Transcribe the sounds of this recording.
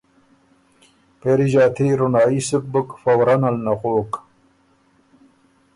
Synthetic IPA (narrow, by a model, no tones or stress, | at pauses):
peɾiʑaːt̪ʰiɾunaːisuk̚bukfɐwɾɐnɐlnɐχoːk